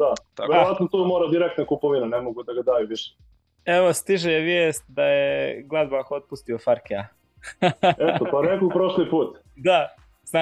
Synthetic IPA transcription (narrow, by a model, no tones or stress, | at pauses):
d̪at̪aʋeɾoʋat̪not̪omoːɾad̪iɾek̚t̪nakupoʋinanemoɡud̪aɡad̪aːjuʋiʃe̥ | eʋo̞st̪iʒejeʋjeːst̪̚d̪ajeɡlˠazbaxot̪̚pust̪iofaɾkea | et̪oponnekopɾoʃlipuːt̪ | d̪a | zna